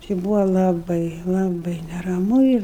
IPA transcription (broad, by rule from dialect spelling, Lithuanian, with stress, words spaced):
t͡ʃʲɪ ˈbuːʋɐ lˠɐˈbɐɪ lˠɐˈbɐɪ nʲɛrɐˈmʊ ɪr